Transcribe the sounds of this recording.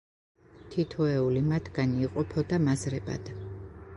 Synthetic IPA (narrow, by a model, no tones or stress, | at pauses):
t̪ʰit̪ʰɔɛulimat̪ʰɡ̥aniːqʼɔpʰɔd̪amazɾɛba̰d̪̥